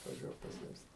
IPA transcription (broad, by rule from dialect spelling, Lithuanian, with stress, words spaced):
ɐtʋɐˈʒʲuɔk pɐˈsʲɪmʲsʲɪ